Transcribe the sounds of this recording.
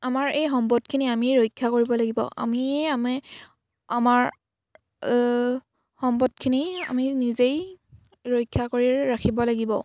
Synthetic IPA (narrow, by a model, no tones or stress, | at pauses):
amaɹejxɔmbɔdkʰiniamiɹojkʰːakoɹibɔlaɡibɔ̰ʔa̰miamɛ | amaɹ | xɔmbɔdkʰinia̰minizej | ɹojkʰːakoɹiɹakʰibɔlaɡibɔ̰